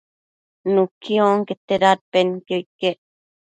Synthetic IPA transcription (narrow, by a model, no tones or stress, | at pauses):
nukʰioŋket̪eɾat̪̚penkeikeʔ